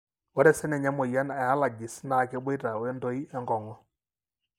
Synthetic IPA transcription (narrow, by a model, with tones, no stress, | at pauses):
wɔ˦ɾɛ˦sɛ˦nɛ˨ɲa˦mɔ˨ja˦na˨a˦la˨d͡ʒɪ˨sna˨kɛ˦bɔ˦jta˨wɛ˦ndo˦i˦ɛ˦ŋɡɔ˨ŋɔ˦